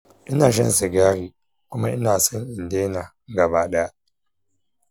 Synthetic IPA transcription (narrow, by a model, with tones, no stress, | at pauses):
ʔɪ˦naː˨ʃ̬ɛ˦n˨se˨ɡaː˦ɾiː˨ | kʊ˦ma˦ʔɪ˦naː˨sɔ˦ŋʔɪ˨ndeː˦na˨˦ɡa˨baː˦ɗa˦ja˦